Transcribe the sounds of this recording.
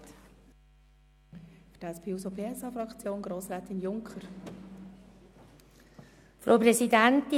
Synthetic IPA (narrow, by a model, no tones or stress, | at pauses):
fə̥d̥ɛspʰeːusopʰeːɛsɑːfɾɑkt͡sjoːnɡɾoːsɾɛːt̪ɪnjʊŋkχəɾ | fɾo̰ʊprɛsidænt̪ɪ